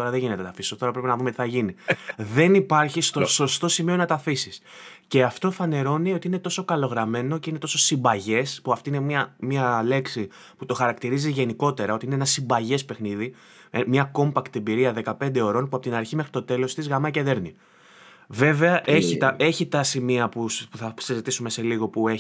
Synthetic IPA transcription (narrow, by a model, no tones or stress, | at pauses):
o̞ɾɐðeʝine̞t̪et̪ɐfisot̪o̞ɾɐpɾepinɐðumet̪iθɐʝiniðe̞nipɐɾçist̪oso̞st̪o̞simio̞nɐt̪ɐfisisce̞ɐft̪o̞fɐne̞ɾo̞nio̞t̪iine̞t̪o̞so̞kɐlo̞ɣɾɐme̞no̞ce̞ine̞t̪o̞so̞simbɐʝe̞spuɐft̪inemɐmiɐle̞ksi | put̪o̞xɐɾɐkt̪iɾiziʝe̞niko̞t̪e̞ɾɐo̞t̪iineenɐsimbɐʝe̞spe̞xniði | emɲɐko̞mpɐkt̪embiɾiɐðe̞kɐpe̞nd̪eo̞ɾo̞npuɐpo̞t̪inɐɾçime̞xɾit̪o̞t̪e̞lo̞st̪izɣɐmɐce̞ðe̞ɾni | ve̞ve̞ɐʔʔeçit̪ɐe̞çit̪ɐsimiɐpuspuθɐsizit̪isume̞se̞liɣo̞pue